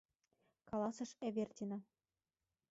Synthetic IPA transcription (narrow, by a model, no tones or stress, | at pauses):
kɑlɑsɤ̆ʃeβʲert̪ʲinɑ